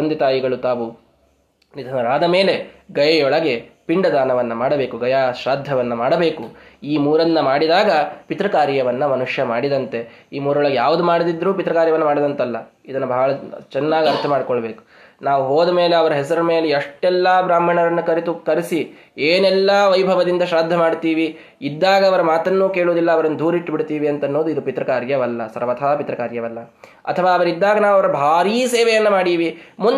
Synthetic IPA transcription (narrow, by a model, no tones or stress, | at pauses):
ɐnd̪it̪aːjiɡɐɭut̪aːʋu | nid̪ʱɐnɐɾaːd̪ɐme̞ːle̞ɡɐjɐjɔɭɐɡe̞piɳɖɐd̪aːnɐʋɐnːɐmaːɽɐbe̞ːkuɡɐjaːʃɾaːd̪ʱjɐʋɐnːɐmaːɽɐbe̞ːkuiːmuːɾɐnːɐmaːɽid̪aːɡɐpit̪ɾɐkaːɾjɐʋɐnːɐmɐnuʂjɐmaːɽid̪ɐnt̪e̞ | iːmuːɾɔɭɐɡejaːʋud̪umaːɽid̪id̪ɾuːpit̪ɾɐkaːɾjɐʋɐnːɐmaːɽid̪ɐnt̪ɐlːɐ | id̪ɐnːubʱɐɦɐɭɐt͡ʃɛnːaːɡɐɐɾt̪ʰɐmaːɽikɔɭːɐbe̞ːku̥ | naːʋuɦoːd̪ɐmeːleɐʋɐɾɐɦɛsɐɾɐme̞ːleɐʂʈɛlːɐbɾaːm̤ɐɳɐɾɐnːukɐɾit̪ukɐɾisi | eːnɛlːɐʋɐjbʱɐʋɐd̪ind̪ɐʃaːd̪ʱːɐmaːɖt̪iːʋi | id̪ːaːɡɐːʋɐɾɐmaːt̪ɐnːuːke̞ːɭoːd̪ilːɐːʋɐɾɐnːud̪ʱuːɾiʈːbiɽt̪iːʋiɐnt̪ɐnːoːd̪uid̪upit̪ɾɐkaːɾjɐʋɐlːɐ̰sɐ̰ɾʋɐt̪ʰɐaːpit̪ɾɐkaːɾjɐʋɐlːɐ | ɐ̰t̪ʰɐʋaːɐʋɐɾid̪ːaːɡɐnaːʋɐʋɐɾɐbʱaːɾiːseːʋɛjɐnːɐmaːɽiːʋimun